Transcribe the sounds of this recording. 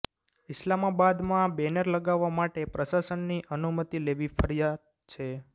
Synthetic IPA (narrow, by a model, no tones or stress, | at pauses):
ɪslamabad̪mãbɛnəɾləɡaʋːamaʈepɾəsasənːiʔənumət̪ileʋifəɾijad̪ | t͡ʃʰe